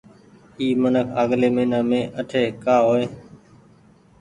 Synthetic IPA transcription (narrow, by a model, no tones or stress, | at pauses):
iːmənəkʰaːɠleːmẽːnaːmẽːʔəʈʰeːkaːɦoːeː